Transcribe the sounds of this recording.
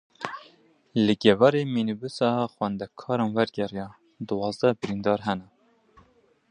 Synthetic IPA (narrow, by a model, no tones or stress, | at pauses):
ləɡɛvɑɾeminubusɑxwɛnd̪ɛkʰɑːɾɑnwæɾɡɛrjɑː | d̪ɨwɑːzd̪ɛbɨɾind̪ɑːɾɦɛnɛ